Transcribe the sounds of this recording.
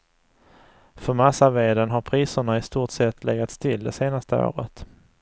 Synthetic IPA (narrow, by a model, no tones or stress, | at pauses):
fœɾmasaveːd̪ənɦaɾpʰɾiːsəɳaɪst̪uːʈsɛt̪ʰːlɛɡat̪st̪ʰɪld̪ɛseːnast̪əo̰ːɾə̰t̪